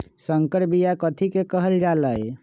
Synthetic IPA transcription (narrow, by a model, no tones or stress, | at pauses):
səŋkəɾbijakət̪ʰikekəɦəld͡ʒaləj